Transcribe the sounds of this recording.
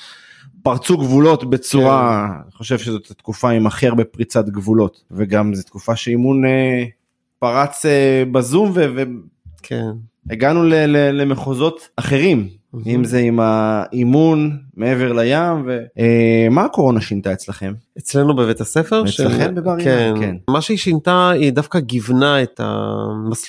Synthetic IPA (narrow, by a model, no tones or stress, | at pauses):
paʁt͡suɡvulo̞t̪be̞t͡suʁaiχo̞ʃevʃezo̞t̪at̪kufaimaχiʁbepʁit͡sat̪ɡvulo̞t̪veɡamzet̪kufaʃeimune | paʁat͡sebazumvevekʰen | eɡanulelelemeχozo̞t̪aχe̞ʁim | imzeimaimunmeeve̞ʁlajamve̞emaːko̞ʁo̞naʃint̪aet͡slaχe̞met͡slenubevet̪asefeʁt͡slaχembebaʁjkankenmaʃeiʃint̪aid̪afkaɡivnaet̪a̰mas